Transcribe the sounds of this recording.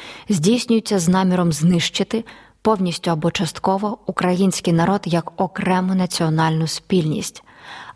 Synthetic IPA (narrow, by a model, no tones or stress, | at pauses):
zʲdʲijsʲnʲʊjʊt͡sʲːɐznɑmʲiɾɔmznɪʃt͡ʃɪt̪ɪ | pɔwnʲisʲtʲʊɐbɔt͡ʃɐst̪kɔʋɔukɾɐjinʲsʲkɪjnɐɾɔd̪jɐkɔkɾɛmʊnɐt͡sʲiɔnɑlʲnʊspʲilʲnʲḭsʲtʲ